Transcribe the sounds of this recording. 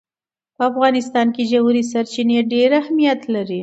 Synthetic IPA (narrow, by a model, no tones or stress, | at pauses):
pəafɣɑnɪst̪ɑnked͡ʒawuɾisaɾt͡ʃineɖeɾahmijat̪laɾi